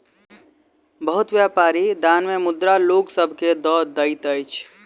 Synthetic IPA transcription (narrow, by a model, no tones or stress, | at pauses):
bəɦut̪ʋjapaːɾid̪anmemʊd̪ɾaloksəbʱked̪ɔɾd̪əɪt̪əjt͡ʃʰ